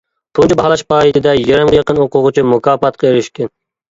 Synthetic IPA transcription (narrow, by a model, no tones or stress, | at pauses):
t̪ʰʊnt͡ʃʰibɑhɑlˠɑʃpɑːjit̪ʰɪd̪ɛjeɾɛmjɑqənoqʊʁʊt͡ʃʰimʊkʰɑːfɑt̪̚qʰɑeɾɪʃkʲɛn